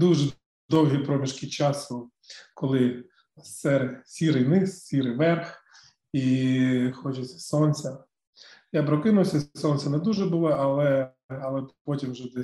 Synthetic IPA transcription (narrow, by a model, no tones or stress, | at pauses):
d̪uʒɛ | d̪ɔwɦʲipɾɔmʲiʃkʲɪt͡ʃɑsʊ | kɔlˠɪ | sɛɾsʲiɾɪjnɪssʲiɾɪjʋɛrx | i | xɔt͡ʃɛsʲɐ̥sɔnsʲɐ | japɾɔkɪnʊwsʲɐsɔnʲsʲɐnɛd̪uʒɛbʊlˠɔʔɐlˠɛ | ɐlˠɛpɔtʲimwʒɛd̪ɛ